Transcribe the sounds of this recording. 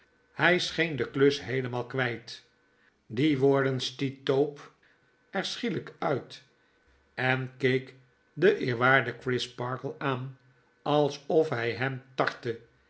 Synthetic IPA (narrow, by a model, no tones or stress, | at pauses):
hɛjsχejndəklɵsɦejləmaːlˠkʋɛjt | diʋoːɹdənstitowp | ɛɹsχiləkœɥt | ɛnkejk | dəʔɪːɹʋaːɹdəkrɪspɑɹkəlˠaːn | ɑlˠsɔfɦɛjɦɛmtɑɹtə